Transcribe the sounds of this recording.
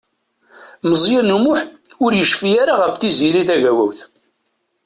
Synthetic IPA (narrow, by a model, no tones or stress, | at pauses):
məzˤjɪnumʊħ | ʊɾjəʃfijaɾaʁəfθiziliθæʝæwæ̰wθ